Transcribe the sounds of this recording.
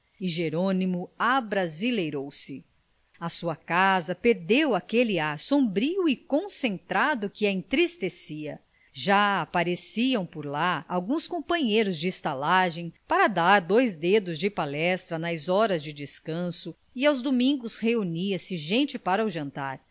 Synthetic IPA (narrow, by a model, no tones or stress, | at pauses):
iʒeɾonimʊabɾazilejɾowsɪ | ɐsuɐkazɐpeɾd̪ewakeliaɾsõbɾiwɪkõsẽnt̪ɾad̪ʊkɪɐẽnt̪ɾist̪esiɐ | ʒaːpaɾesiɐ̃w̃poɾlaawɡũskõmpɐ̃ɲejɾʊzd͡ʒɪːst̪alaʒẽj̃paɾɐd̪aɾd̪ojzd̪ed̪ʊzd͡ʒɪpalɛst̪ɾɐnɐzɔɾɐzd͡ʒɪd͡ʒɪskɐ̃sʊ | iawzd̪omĩŋɡʊsheuniɐsɪʒẽnt͡ʃɪpaɾɐuʒɐ̃nt̪aɾ